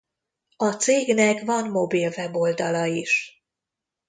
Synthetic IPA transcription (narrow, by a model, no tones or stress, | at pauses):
ɒt̪seːɡnɛkvɒnmo̞bilvɛbo̞ld̪ɒlɒiʃ